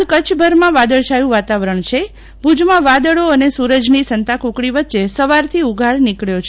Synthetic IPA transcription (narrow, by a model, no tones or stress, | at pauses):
kət͡ʃʰbʱəɾmãʋad̪əɭʃajũʋat̪aʋɾəɳt͡ʃʰe | bʱud͡ʒmãʋad̪əɭoənesuɾəd͡ʒnisənt̪ãkũkɽiʋət̪ːʃesəʋaɾt̪ʰiuɡʱaɭnikɭjot͡ʃʰ